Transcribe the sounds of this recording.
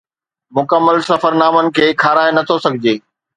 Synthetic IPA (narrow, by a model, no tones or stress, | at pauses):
mʊkəmːəlsɐfəɾnaːmənɪ̆kʰeːkʰaːɾaːenɐt̪ʰosɐɡʱɪd͡ʑeː